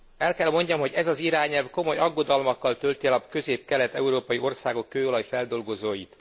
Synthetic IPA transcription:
ɛlkɛlmo̞ɲɟɒmɦo̞ɟɛzɒziɾaːɲɛlvko̞mo̞jɒɡːo̞d̪ɒlmɒkːɒlt̪ø̞lt̪iɛlɒkø̞zeːp̚kɛlɛt̪ɛuɾoːpɒjio̞rsaːɡo̞kːøːo̞lɒjfɛld̪o̞lɡo̞zoːjit̪

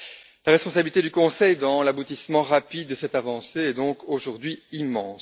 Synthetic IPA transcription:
laʁɛspɔ̃sabilit̪ed̪ykɔ̃sɛjd̪ɑ̃labut̪ismɑ̃ʁapid̪̚ːəsɛt̪avɑ̃seɛd̪ɔ̃ːkoʒuʁd̪ɥiimɑ̃ːs

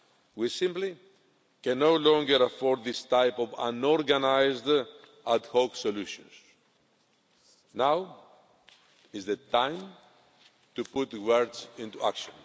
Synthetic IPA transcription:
wisĩmpli | kɛ̃nːowlɔ̃ŋɡəɾafɔɹd̪ðist̪ajpovã̰nɔɾɡanajzd̪ | ad̪hoksoluʃɔ̰̃nz̥ | naw | izðet̪ãj̃m | t̪uput̪wəɾdzĩnt̪ua̰kʃõn

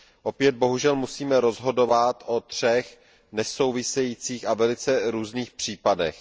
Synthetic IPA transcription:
ʔo̞pjɛd̪̚bo̞ɦuʒɛlmusiːmɛɾo̞zɦo̞do̞vat̪ʔo̞t̪r̝̥ɛx | nɛso̞wvɪsɛjiːt͡siːxavɛlɪt͡sɛɾuːzniːxpr̝̥iːpadɛ̰x

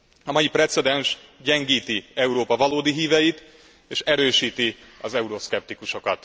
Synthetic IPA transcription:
ɒmɒjiprɛt̪sɛd̪ɛnʃɟɛŋɡiːt̪iɛuɾoːpɒvɒloːd̪iɦiːvɛjit̪ | eːʃɛɾøːʃiːt̪i | ɒzɛuɾo̞skɛp̚t̪ikuʃo̞kɒt̪

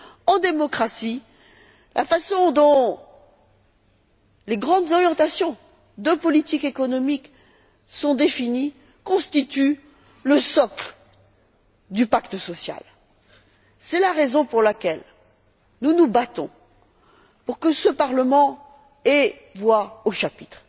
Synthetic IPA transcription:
ɑ̃d̪emɔkχasi | lʔa̰fasɔ̃d̪ɔ̃ | leɡʁɑ̃d̪zɔʁjɑ̃t̪asjɔ̃ | d̪øpɔlit̪ikekɔnɔmik | sɔ̃d̪efini | kɔ̃st̪it̪y | ləsɔkl | d̪ypakt̪əsɔsja̰l | sɛlaʁezɔ̃puʁlakʲɛl | nunubat̪ɔ̰̃ | puʁkəsəpaʁləmɑ̃ | ɛ | vwaoʃapit̪χ

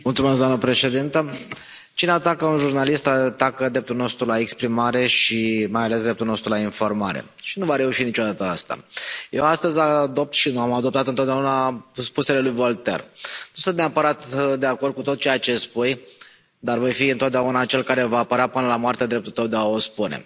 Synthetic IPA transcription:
mult̪sumes̬d̪amnəpɾe̞ʃe̞d̪int̪ə | t͡ʃineat̪akəunʒurnalist̪at̪akəd̪ɾe̞p̚t̪ulno̞st̪ɾulaekspɾimaɾe̞ʃimajales̬d̪ɾe̞p̚t̪ulnost̪ɾulainfo̞rma̰ɾe̞̰ | ʃinuvaɾe̞uʃinit͡ʃo̞d̪at̪əa̰st̪a̰je̞wast̪əzʲad̪o̞p̚t̪ʃinuamad̪o̞p̚t̪at̪ɨnt̪oat̪d̪ʲaunaspuse̞le̞lujvo̞lt̪e̞̰rnusɨnt̪neapəɾat̪d̪e̞ako̞rd̪̚kut̪o̞t̪̚t͡ʃe̞jat͡ʃe̞spuj | d̪arvo̞jfiɨnt̪oat̪d̪eaunat͡ʃe̞lkaɾe̞vaːpəɾeapɨnəlamoart̪ead̪ɾe̞p̚t̪ult̪əwd̪eao̞spunḛ

